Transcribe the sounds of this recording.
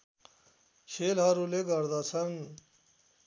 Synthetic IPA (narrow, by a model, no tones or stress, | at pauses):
ɕʰeːlɦaɾuleɡəɾd̪at͡sʰən